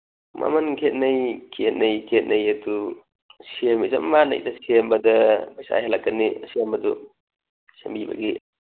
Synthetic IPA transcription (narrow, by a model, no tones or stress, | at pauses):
mʔa̰mɐnkʰet̚nɐjkʰet̚nɐjkʰet̚nɐjɐdu | semizɐmːanɐ̰jdɐsembɐdɐbajsa̰jhalːakːɐnisembɐdu | sembibɐ̰ɡi